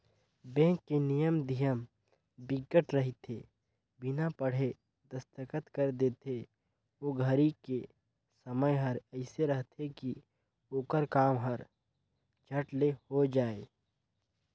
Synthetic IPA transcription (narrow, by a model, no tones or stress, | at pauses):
bɛ̃ːkːenijəmd̪ʱijəm | bɪɡːəʈɾɐɦit̪ʰe | bɪnapəɽ̤e | d̪ɐst̪əkət̪kəɾd̪eːt̪ʰe | oːɡʱəɾike | səməjɦɐɾɛɪseɾɐɦt̪ʰeki | oːkəɾkaːmɦəɾ | d͡ʒʱəʈlehod͡ʒaːeː